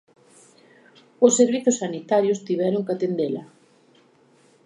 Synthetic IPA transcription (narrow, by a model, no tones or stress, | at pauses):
ʊsːeɾβiθʊsːanit̪aɾjʊst̪iβɛɾʊŋkat̪end̪elɐ